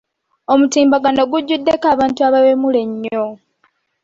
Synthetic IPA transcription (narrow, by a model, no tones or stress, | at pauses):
omutiːmbaɡano̞ɡuɟːudːe̞kaːβaːntuaβaβemule̞ɲːo̞